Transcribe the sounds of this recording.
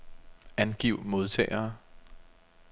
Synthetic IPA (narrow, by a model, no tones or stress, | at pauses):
ænɡ̥iʊ̰mo̝ð̞ˠt͡sʰɛ̰ːɐː